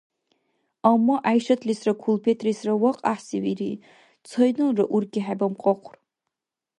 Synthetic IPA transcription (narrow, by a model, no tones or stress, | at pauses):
amːaʔajʃɐt̪ʰʼlisrakʰulpʰet̪ʰʼrisrɐwaqʼaħsiwiɾi | t͡sʰɔjnɨlrɐʔurɡʲʼiħabɐmqʼɔqʷʰr